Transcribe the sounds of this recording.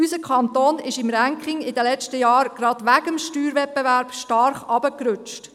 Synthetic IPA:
ysəkʰχɑnt̪oːnɪʃɪmɾæŋkχɪŋɪd̪əlɛt͡ʃtəjɑːɾɡ̥ɾɑd̪̥ʋæɡəmʃtyːɾʋɛt̚bɛʋæɾb̥ʃtɑɾχɑbəkɾʉt͡ʃt

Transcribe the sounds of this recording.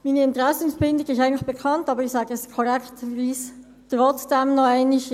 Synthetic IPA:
miːnəɪntʁɛsən̩fbɪndɪɡɪʃtæɪɡntlɪçb̥ekʰɑntɑːbəʁɪçsɑːɡəɛsɪ̥skʰoʁɛktviːs | tʁɔt͡sd̥ɛmnɔaɪnɪç

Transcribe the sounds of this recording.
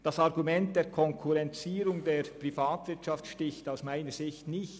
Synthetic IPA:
d̥ɑsɑʁɡumɛnt̚d̥eːkʰɔŋkʰuʁɛnt͡siːɾʊŋdeːɾpʁifaːtvɪɐtʃɑftʃtɪçtaʊsmaɪnəz̥ɪçtnɪçt

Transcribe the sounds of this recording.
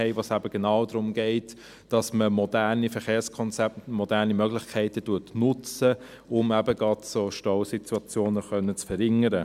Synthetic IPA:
ɛɪvoːsæbəɡ̥enɑːʊdɾʊmɡɛɪt | d̥ɑsməmɔdæɾnifɛχeːɐskʰɔnt͡sɛp̚tmɔdæʁnimœɡlɪχkʰɛɪtətuətnʊt͡sə | ʊmæbəɡɑtsoʃtɔʊsituɑt͡sjoːnəχœnːət͡sfəɾhɪŋəɾə

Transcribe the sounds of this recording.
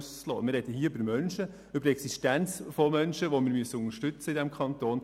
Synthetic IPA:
st͡slɔ̰ːmɪrɛdəɦiːybəɾmœnʃə | ʏbəɾɛksiʃtænt͡sfɔmœnʃəʋomɪːɾmyəsəʊŋəɾʃtʏt͡səɪdɛmkʰɑnt̪oːn

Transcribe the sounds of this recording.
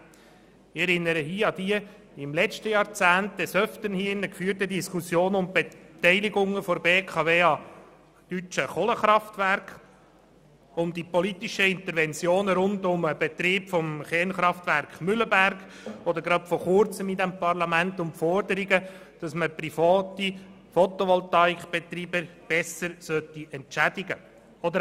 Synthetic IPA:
ɪɛɾɪnːəɾəɦiːəɑd̥̪iə | ɪmlɛt͡ʃtəjɑːɾt͡sæːntdɛsœftənhiəɪnəkfyːɾtədiskusjoːnʊmb̥etɛɪliɡʊŋəfɔɾbeːkʰɑveːɑ | d̥yt͡ʃəχoləχɾɑftværkχ | ʊmdipɔlit̪iʃəɪnt̪əɾvɛnt͡sjoːnəɾʊndʊməb̥ɛt̪ɾiːpfɔmχɛnχɾɑft̪ʋæɾkχmʏləbærɡ | ɔd̪əɾɡɾɑtfɔχʊɾt͡səmid̪æmpɑɾlɑmæntʊmfɔɾdəɾiɡə | d̥ɑsməpɾifɑːt̪i | fɔt̪ɔʋɔlt̪ɑikb̥et̪ɾiːbəb̥ɛsəɾsœtːiʔɛnt͡ʃædiɡə | ɔd̪ə

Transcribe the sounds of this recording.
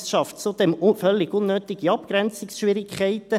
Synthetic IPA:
sʃɑftt͡sud̪̥ɛmfœlːɪɡ̥unːøːt̪ɪɡ̥iɑpkɾɛnt͡sɪksʃʋɪɾɪkʰχɛɪt̪ə

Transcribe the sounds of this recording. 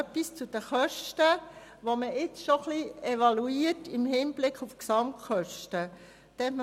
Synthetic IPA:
pːist͡sud̥əχœʃtə | ʋoməɪt͡sʃoχliɛʋɑluiːətɪmhiːnb̥lɪkχufksɑmtχœʃtə | t̪ɛntm

